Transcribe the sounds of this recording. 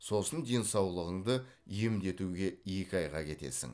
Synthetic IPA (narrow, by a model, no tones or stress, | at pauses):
so̞sənd̪e̞nsɑwlˠəʁəɴd̪ə | iemd̪e̞t̪uɡʲe̞je̞kʲɪɑjʁɑ̰kʲʰe̞t̪e̞̰sɪ̰ŋ